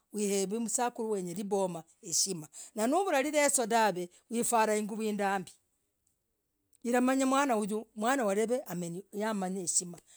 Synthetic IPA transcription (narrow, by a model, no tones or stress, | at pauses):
wiheβimusakuɾuweɲeɾiβoma | eʃimananuβuɾaɾiɾesodaβe | wifaːɾaiŋɡuβwiːndaːmbi̥ | iɾamaɲamwaːnauɟumwaːnawaɾeβeʔamjamaɲeʃima